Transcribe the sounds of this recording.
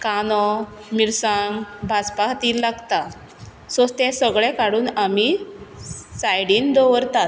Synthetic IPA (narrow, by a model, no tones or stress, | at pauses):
kanɔ | miɾsãŋɡbʱad͡zpaɦt̪iːllaɡt̪a | sost̪ɛ̃səɡɭɛ̃kaɽuːnami | sajɽiːnd̪ɔʋəɾt̪at̪̚